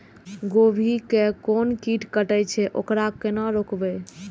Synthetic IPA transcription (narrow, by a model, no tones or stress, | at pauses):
ɡobʱikekonkiʈʰkəʈət͡ʃʰɛʔo̰kɾakenɔɾokbɛ